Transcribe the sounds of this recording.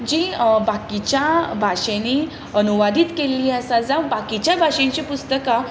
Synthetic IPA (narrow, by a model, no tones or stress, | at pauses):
d͡ʑiːbakit͡ɕjabʱaʂeni | ənuʋad̪ʱiːt̪keliːasad͡zãbakit͡ɕjabʱaɕẽɲt͡ɕipust̪əka